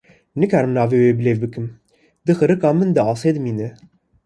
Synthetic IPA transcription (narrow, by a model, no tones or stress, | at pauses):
nɨkʰaɾmnɑːvewebɨlevbɨkʰɨm | d̪ɨxɨɾɨkɑːmɨnd̪ɨɑːsed̪miːnɛ